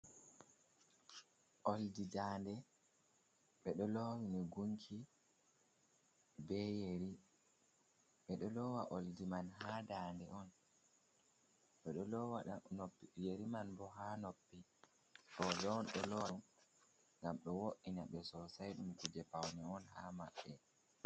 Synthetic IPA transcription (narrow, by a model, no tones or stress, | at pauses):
ʔoldidaːndɛ | ɓɛɗɔlɔwiniɡuŋkʰi | bɛjeɾi | ɓɛɗɔlɔwaʔoldimanɦaːdaːndɛɔn | ɓɛɗɔlɔwaanopːjeɾimanbɔɦanopːi | ɗɔdɔnɗɔlɔ | ŋɡamɗɔwoʔinaɓɛsɔsajɗumikud͡ʒɛpawnɛɔnhama̰ɓːɛ